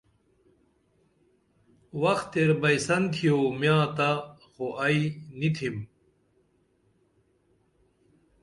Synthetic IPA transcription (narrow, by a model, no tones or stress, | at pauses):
wɐxt̪eɾbɐjsɐnt̪ʰijomjãːt̪a | xoʔɐinit̪ʰim